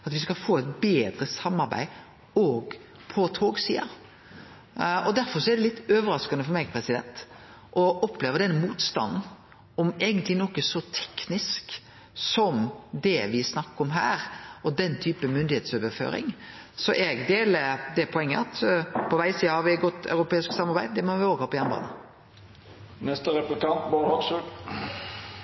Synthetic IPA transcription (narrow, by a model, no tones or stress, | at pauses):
ɑt̪ʋɪskɑfoːɛt̪beːd̪ɾəsɑmːɑɾbæ̰ɪ | ɔːɡ | pʰɔt̪ʰoːɡsḭːɑ̰ | ɔd̪æɾfɔɾsɔɛɾd̪ɛlɪt̪ːøːʋəɾɑskɑnəfɔɾmɛːɡpʰɾɛsɪd̪ɛ̰nt̪ | ʔɔʔɔpʰːleːʋəd̪ɛnːəmuːt̪st̪ɑ̰nn̩ | ɔmeːɡənt̪lɪnɔkːəsɔt̪ʰɛ̥knɪsk | sɔmd̪ɛʋɪsnɑkːəɔmɦæːɾɔd̪ɛnːt̪ʰyːpəmʏnd̪ɪheːt̪søːʋəɾfø̰ːɾɪ̰ŋsɔʔɛɡd̪eːləd̪ɛpʰɔɛŋːəɑt̪pʰɔʋæɪsiːhɑɾʋɪɡɔt̪ʰːɑ̰ʉɾʊpʰeːɪsksɑmːɑɾbæɪd̪d̪ɛmɔʋɪoːɡəhɑːpɔjɛnəbɑ̰ːnə | nɛst̪əɾɛplɪkɑnt̪bɑnhɔksʉ